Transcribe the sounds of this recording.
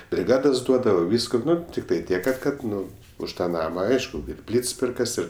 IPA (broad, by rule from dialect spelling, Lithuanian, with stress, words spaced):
bʲrʲɪˈɡɑːdɐs ˈduɔdɐʋoː ˈʋʲiːskʊ ˈnʊ tʲɪkˈtɐɪ ˈtʲiɛk kɐt ˈkɐt ˈnʊ ʊʃ ˈtɑː ˈnɑːmɐ ˈɐɪʃkʊ ɪr ˈpʲlʲiːts ˈpʲɪrkɐs ˈɪr